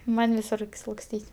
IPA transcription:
ˈmɐnʲ ʋʲɪˈsʊr lˠɐksʲˈtʲiːtʲ

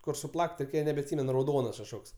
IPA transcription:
kʊr sʊˈplˠɐkʲtʲ nʲɛbʲɛɐtʲˈsʲiːmʲɛn rɐʊˈdoːnɐs kɐʃˈkoːks

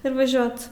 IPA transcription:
ɪr ʋɐˈʒʲoːt

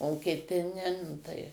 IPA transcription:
oː kʲɪˈtʲɪ nʲɛ nʊ ˈtɐɪ

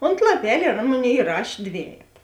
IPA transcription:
oːnt lˠɐˈpʲɛlʲ ɪr ˈɐn ˈmoːˌnʲeːɪ ɪˈrɑːʃʲeː ˈdʲʋʲæːjɛtɐ

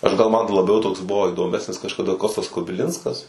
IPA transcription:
ˈɐʃ ɡɐlˠ ˈmɐn lˠɐˈbʲɛʊ ˈtoːks ˈbʊʋoː ɪdoːˈmʲæːsʲnʲɪs kɐʃkɐˈdɐ ˈkoːstɐs kʊbʲɪˈlʲɪnskɐs

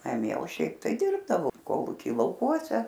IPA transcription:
nɐˈmʲiɛ oː ˈʃʲɛɪp tɐɪ ˈdʲɪrbdɐʋoː ˈkoːlˠuːkʲiː lˠɐʊˈkuɔsʲɛ

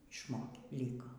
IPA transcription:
ɪʃˈmoːkʲeː ˈlʲiːkoː

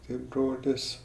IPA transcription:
ˈtʲɪ ˈbroːlʲɪs

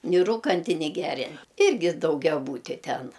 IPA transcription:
nʲɪ ˈruːkɐnʲtʲɪ nʲɪ ˈɡʲæːrʲɛn ˈɪrʲɡʲɪ dɐʊɡʲɛˈbuːtʲɪ ˈtʲɛn

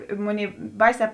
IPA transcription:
ɪ ˈmʊnʲeːɪ ˈbɐɪsʲɛː

